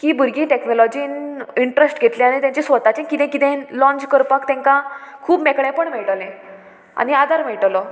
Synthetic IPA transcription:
kiːbuɾɡĩːʈeknɔlɔd͡ʑiːniɳʈɾəsʈɡʱet̪lẽaɽ̃et̪jãɲt͡ɕesʋət̪at͡ɕẽkit̪ẽkit̪ẽlɔ̃ɲt͡ɕkəɾpakt̪ɛ̃ŋkãkʰuːbmɛkɳɛ̃pəɳmeɭʈlẽ | a̰ɽ̃iad̪ʱaɾmeɭʈlɔ

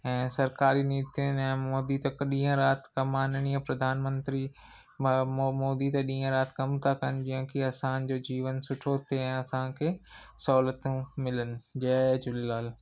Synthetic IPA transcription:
ɛ̃ːsɐɾkaːɾiniːt̪ʰɪnɛ̃ːmoːd̪it̪ɐɗĩːɦə̃ɾaːt̪kɐmaːnɽ̃iɐ̃pɾɐd̪ʱaːnmə̃nt̪ɾi | mmoːd̪it̪ɐɗĩːɦə̃ɾaːt̪kɐmt̪ʰakɐnɪ̆d͡ʑĩɦə̃kʰiɐsãd͡ʑoːd͡ʑiːʋənsʊʈʰot̪ʰeɛ̃ːɐsãkʰeːsɔlət̪ũmɪlənɪ̆d͡ʑɐːd͡ʑʊllaːl

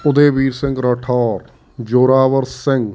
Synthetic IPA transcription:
ʊd̪eːʋiːɾsɪ̃ŋɡɾəʈʰɔːɾ | d͡ʒoːɾaːʋəɾsɪ̃ŋɡ

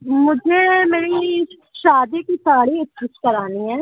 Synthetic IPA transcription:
mʊd͡ʒʱeːmeːɾi | ʃaːd̪iːkisaːɽiːɪtt͡ʃʊt͡ʃkəɾaːniːɛː

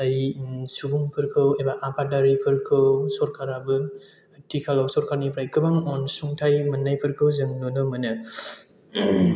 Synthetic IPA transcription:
ajsubuŋpʰɯɾkʰɯwebaʔapadaɾipʰɯɾkʰɯwsɔɾkʰaɾabɯ | tikʰalawsɔɾkʰaɾnipʰɾajkɯbaŋɔnsuŋtʰajmɯnːajpʰɯɾkʰɯwzɯŋnonɯmɯnɯ

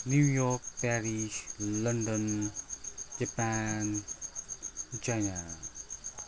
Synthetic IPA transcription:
nujɔk̚pɛɹiʃlandə̃n | d͡ʒapan | t͡ʃajna

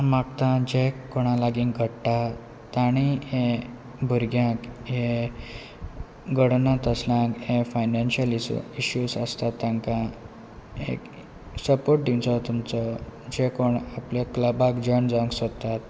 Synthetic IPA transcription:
makt̪ãd͡ʑekoɽ̃ãlaɡĩŋɡʱəɽʈa | t̪aɽ̃iɦẽ | bʱuɾɡjãkɦẽ | ɡəɽnãt̪əslãkɦẽfajnanɕəliɕjusəst̪at̪ːãŋkã | ḛk | səpoɾʈ̚d̪imt͡sɔt̪umt͡sɔd͡ʑekoɳaplekləbakd͡ʑəɳd͡zaŋksət̪at̪̚

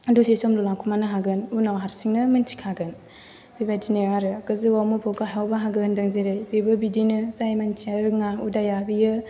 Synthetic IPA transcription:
dusesomlulakʰumanɯɦaɡɯnunawɦaɾsiŋnɯmɯnt͡ʃʰi̥kʰaɡɯn | bibadineaɾɯkɯzɯwawmupʰɯkajawbaɦaɡɯndɐŋzeɾajbebɯbidinɯzajmant͡ʃʰiaɾɯŋaudajabijɯ

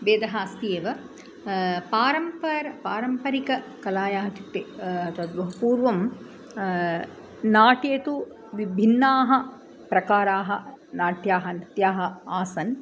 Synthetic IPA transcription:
beːd̪ɐɦaːst̪ijeːʋɐ | paːɾɐmpɐɾɐpaːɾɐmpɐɾikɐ | kɐlaːjaːɦɐt͡ʃ̪it̪ːeɐt̪ɐd̪bɐɦupuːɾʋɐm | naːʈjeːt̪u | ʋibʱinːaːɦɐ̆ | pɾɐkaːɾaːɦɐnaːʈjaːɦɐnit̪jaːɦɐaːsɐn

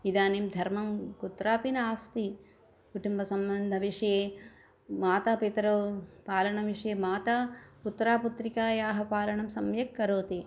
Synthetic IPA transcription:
id̪aːnimd̪ʱɐɾmɐmkut̪ɾaːpinɐaːst̪i | kuʈumbɐsɐmbɐnd̪ʱɐʋiʂɐjeː | maːt̪aːpit̪ɾɐpaːlɐɳɐʋiʂɐjeːmaːt̪aːput̪ːɾaːput̪ɾikaːjaːɦɐpaːlɐɳɐmsɐmjɐkːɐɾoːt̪i

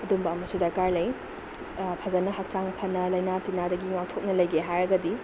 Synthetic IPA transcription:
ɐdumbɐːmɐsudɐɾkaɾlɐj | pʰazɐnɐɦak̚t͡ʃaŋpʰɐnːɐlɐjnatinadɐɡiŋak̚tʰok̚nɐlɐjɡeɦajɾɐɡɐdi

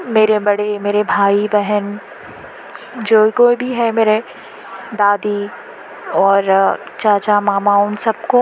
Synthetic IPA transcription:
meːɾebɐɽemeːɾebʱaːibɛɦən | d͡ʒoːkoːibʱiɦɛmeːɾe | d̪aːd̪i | ɔːɾ | t͡ʃaːt͡ʃamaːmaʊnsɐb̚ko

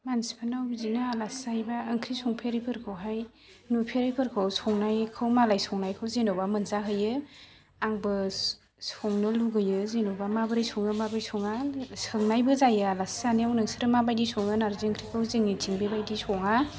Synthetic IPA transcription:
mansi̥pʰanawzinaalasajbaəŋkʰɾisɔŋpʰeɾijpʰɯɾkʰɯwɦaj | nupʰeɾijpʰɯɾkʰɯwsɔŋnajkʰɯwmalajsɔŋnajkʰɯwzenowbamɯnzaɦɯjɯ | aŋbɯ | sɔŋnɯluɡɯjɯzenowbamabɯɾɯjsɔŋɯmabajsʰɔŋasɯŋnajbɯzajaalasaniawnɯŋsiɾɯmabajdisʰɔŋɯnaɾziŋkʰɾikʰɯwzeŋitʰiŋbebajdisʰɔŋa

